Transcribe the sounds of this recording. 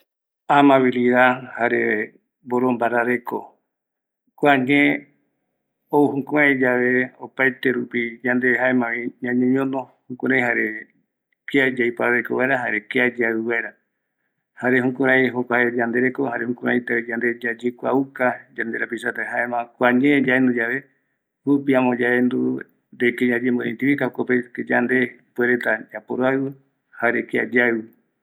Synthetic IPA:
amãβiliðahaɾe | boɾombaɾaɾeko | kʷaɲẽ | ouhũkuaid͡ʒaʋe̞opajt̪eɾupid͡ʒand̪ehaemãβĩɲãɲõɲõnohũkuɾãj̃ɦaɾe̞ | kiad͡ʒaipaɾaɾekoβaeɾaɦa̰ɾe̞kiad͡ʒaiβaeɾa | haɾeɦũkuɾaj̃ɦokʷaed͡ʒand̪eɾekohaɾehũkũɾaĩt̪aed͡ʒand̪e̞d͡ʒad͡ʒekʷaukad͡ʒand̪eɾapisat̪aɦaemãkʷaɲẽd͡ʒaend̪ud͡ʒaβe̞ | ɾupiãmõd͡ʒaend̪u | ɾekeɲãd͡ʒemboĩnt̪iβikaokopeked͡ʒand̪epweɾet̪ad͡ʒapoɾoaɨβɨ | haɾekia̰d͡ʒaɨ

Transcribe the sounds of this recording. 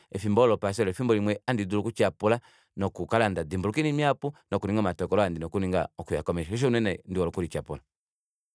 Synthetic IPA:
ɛfimbɔlɔpas̬ɔlɔfimbɔlimwɛandidulukut͡ʃapula | nɔkukalandadimbuukinimiapunɔkuɾiŋɡaɔmatɔkɔlɔandinɔkuniŋɡa̰ɔkuja̰kɔmɛʃaɔʃ̬ɔunɛnɛndiwɔlɔkuɾit͡ʃapula

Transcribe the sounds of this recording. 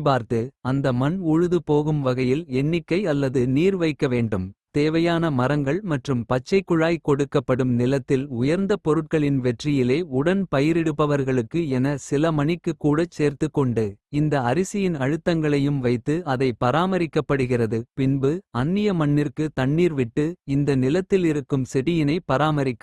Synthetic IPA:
paːɾt̪ɯɐnd̪ɐmɐnʊɻɯðɯpoːɣɯmʋɐɣɐjɪlɛnːɪkːɐɪɐlːɐðɯniːɾʋɐɪkːɐʋeːɳɖɯmt̪eːʋɐjaːnɐmɐɾɐŋɡɐɭmɐʈrɯmpɐt͡ʃːɐɪkːʊɻaːjkɔɽɯkːɐpːɐɽɯmnɪlɐt̪ːɪlʊjɐɾnd̪ɐpɔɾɯʈ̚kɐɭɪnʋɛʈrɪjɪleːʊɽɐnpɐjɪɾɛɽɯpːɐʋɐɾɣɐɭɯkːɯɛnɐsɪlɐmɐɳɪkːɯkːuːɽɐt͡ʃːeːɾt̪ɯkːɔɳɖɯɪnd̪ɐɐɾɪsɪjɪnɐɻɯt̪ːɐŋɡɐɭɐjɯmʋɐɪt̪ːɯɐðɐɪpɐɾaːmɐɾɪkːɐpːɐɽɯɣɪrɐðɯpɪnbɯɐnːɪjɐmɐɳːɪɾkɯt̪ɐɳːiːɾʋɪʈːɯɪnd̪ɐnɪlɐt̪ːɪlɪɾɯkːɯmsɛɽɪjɪnɐɪpːɐɾaːmɐɾɪkːɯ

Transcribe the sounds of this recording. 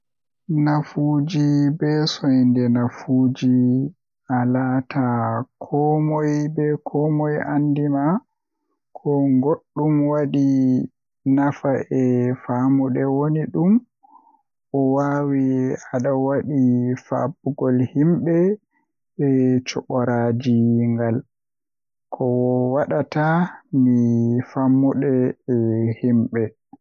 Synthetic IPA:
nafud͡ʒibɛsɔjndɛnafuːd͡ʒi | ʔalatʰakʰɔmɔjbɛkʰɔmɔjandima | kʰɔŋɡoɗːumwaɗi | nafaʔɛfaːmuɗɛwoniɗum | ʔɔwawiaɗawaɗifa̰buɡɔlhimɓɛ | ɛt͡ʃɔɓɔɾad͡ʒiŋɡal | kʰɔwwaɗatamifamːuɗɛɛhimɓɛ

